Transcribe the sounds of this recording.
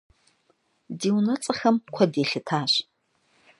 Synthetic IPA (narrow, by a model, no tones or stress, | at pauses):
diːwnɐt͡sʼɐxɐmkʷʰɐdeːɬɨtʰaːɕ